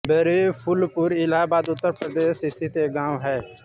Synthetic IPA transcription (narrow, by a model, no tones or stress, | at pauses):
beɾepʰʊlpʊɾɪlaːbaːd̪ʊt̪ːəɾpɾəd̪eːʃɪst̪ʰit̪eɡãːwɦɛː